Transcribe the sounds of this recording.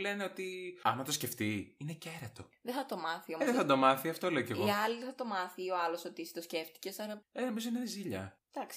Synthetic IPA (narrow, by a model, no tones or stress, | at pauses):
le̞neo̞t̪iɐnnɐt̪o̞sce̞ft̪iineceɾɐt̪o̞ðeθɐt̪o̞mɐθiomðeθɐd̪o̞mɐθiɐft̪o̞leoce̞ɣoɐliðeθɐt̪o̞mɐθioɐlo̞sot̪iist̪osce̞ft̪i̥ce̞sɐɾɐenomizoðenineziʎɐ | d̪̥ɐksi̥